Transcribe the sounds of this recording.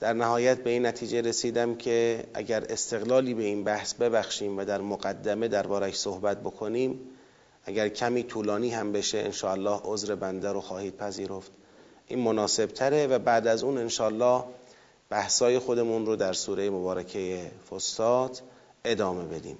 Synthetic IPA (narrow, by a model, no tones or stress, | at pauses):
d̪̥æɾnæhɒːjæt̪̚be̞iːnːæt̪ʰiːd͡ʒe̞ɾesiːd̪æmcʰe̞ʔæ̰ɟæɾe̞st̪e̞ɣlɒːliːbe̞iːnbæhsbe̞bæxʃiːmvæd̪æɾmoɣæd̪ːæme̞d̪æɾbɒːɾæʃsohbæt̪̚bo̞kʰo̞niːm | ʔæɟæɾcʰæmiːt̪ʰuːlɒːniːhæmbe̞ʃeʔḛnʃɒːælːɒːhʔozɾe̞bænd̪æɾoxɒːhiːd̪̥̚pʰæziːɾoft̪ | ʔiːnmonɒːse̞b̥t̪ʰæɾe̞væbæːd̪æzuːne̞nʃɒːælːɒːh | b̥æhsɒːje̞xo̞d̪e̞munɾod̪æɾsuːɾejemobɒːɾækʰe̞jefosːɒːt̪ʰ | e̞d̪ɒːme̞be̞d̪ḭːm